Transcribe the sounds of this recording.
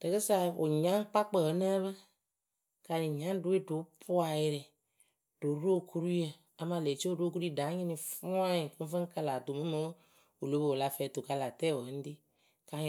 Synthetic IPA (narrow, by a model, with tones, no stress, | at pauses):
də˨kə˦sa˧˦o̰˨ɲã˨˦ŋ˦k͡pa˦k͡pəː˨˦nə˦βə˦ | ka˧nĩ˨ɲã˨˦du˨˦e˦do˨˦pʰu˦a˨je˨˧ɾɛ˨ | d̥o˨˦ɾo˦˨kʰu˦ɾu˦ə˨ | a˨˦mã˧˨le˨t͡ʃo˦˨ɾo˦ku˦ɾi˦˨da˨˦ɲĩ˦nĩ˨fu˦ã˦i˨ku˦fə̃˦ŋ˦ka˧la˨to˨mə˦mə˦ | o˨lo˦bo˨o˨la˧fɛː˨˦to˨ka˧˦la˨tɛ˦˨wo˨˦n̩˦di˦ | ka˨˦ɲ˨